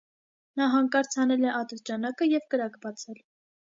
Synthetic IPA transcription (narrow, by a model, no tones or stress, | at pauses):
nɑɦɑŋkɑɾt͡sʰɑnɛlɛʔɑt̪əɾt͡ʃɑnɑkəjɛvkəɾɑkbɑt͡sʰɛl